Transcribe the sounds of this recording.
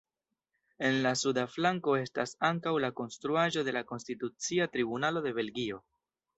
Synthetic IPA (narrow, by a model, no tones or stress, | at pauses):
e̞nlasudaflaŋko̞e̞stasaŋkawlako̞nstɾuaʒo̞de̞lako̞nstitut͡siatɾibunalo̞de̞βe̞lɡio̞